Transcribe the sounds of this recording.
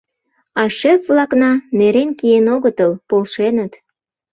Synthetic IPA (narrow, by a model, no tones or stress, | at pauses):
ɑʃepβlɑknɑneɾenkijenoɣət̪əlpolʃenət̪